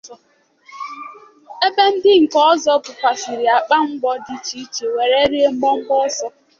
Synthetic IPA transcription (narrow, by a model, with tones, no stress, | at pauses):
e˦be˦n̩˦dɪ˦ŋ̩˨kɔ˦zɔ˦bʊ˨kʷa˨si˨ɾɪ˨a˨k͡pa˦ŋ͡m̩˦ɡ͡bɔ˦dɪ˦t͡ʃi˦t͡ʃe˨we˨ɾe˦ɾi˦e˦ŋ͡m̩˦ɡ͡bɔ˦ŋ͡m̩˦ɡ͡bɔ˦zɔ˦